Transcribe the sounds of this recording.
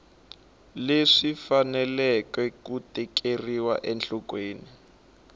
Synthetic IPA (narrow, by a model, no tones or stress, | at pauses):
leʂifanɛlɛkwɛkutɛk̬ʰeriwa̰ʔɛnɬɔkweːni